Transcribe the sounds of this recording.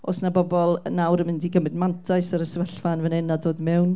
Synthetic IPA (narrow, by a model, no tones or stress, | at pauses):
o̰snabɔbɔlˠnawɾəmɪndiɡəmɪdmantʰaɨsəɾəsvəɬfanvənɛnadoːðmɛwn